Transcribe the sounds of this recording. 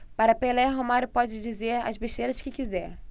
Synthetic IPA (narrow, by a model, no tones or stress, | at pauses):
paɾɐpelɛɦomaɾʊpɔd͡ʒɪd͡ʒizeɾɐ̰zbeʃt̪ejɾɐskɪkizɛɾ